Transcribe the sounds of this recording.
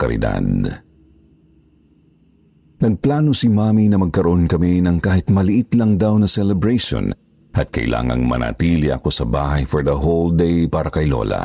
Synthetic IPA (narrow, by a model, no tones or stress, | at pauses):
kɐɾɪ̰d̪a̰d̪ | nɐɡ̚plaːnosimaːminɐmɐɡ̚kɐɾoʔonkɐminɐŋkaːhɪt̪̚mɐlɪʔɪt̪lɐŋd̪awnɐsɛlɛbɹajʃo̰n | ʔɐt̪̚kɐ̰ʔɪ̰lʔa̰ːŋɐ̰ŋmɐ̰na̰ːt̪iːlɪʔɐ̰ko̞sɐbaːɦɐjfɔɹd̪ɐɦold̪ejpaːɾɐkɐjlo̰lɐ̰